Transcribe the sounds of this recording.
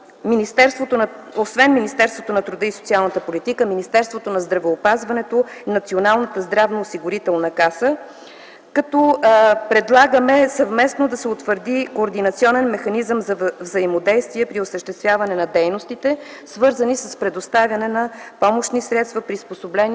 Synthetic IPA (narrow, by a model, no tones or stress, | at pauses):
minist̪ɛɾst̪vot̪onosvɛnminist̪ɛɾst̪vot̪onɐt̪ɾud̪əiso̥t̪ialˠnət̪əpolit̪ikəminist̪ɛɾst̪vot̪onɐzd̪ɾɐvɛopazvɐnɛt̪oinɐt̪sionalˠnət̪əzd̪ɾavnoːsiɡʊɾit̪ɛlˠnəkasə | kɐt̪ɔpɾɛd̪lˠaɡəmɛsɐvmɛsnod̪ɐsɛot̪vəɾd̪ikoːɾd̪inɐt̪siɔnɛnmɛxɐnizəmzɐvzɐimod̪ɛjst̪viɛpɾiosəʃt̪ɛst̪vʲjavɐnɛnɐd̪ɛjnost̪it̪ɛsvɤɾzənisəspɾɛd̪ost̪avʲjɐnɛnɐpɔmoʃnisɾɛt̪st̪vɐpɾisposoblɛn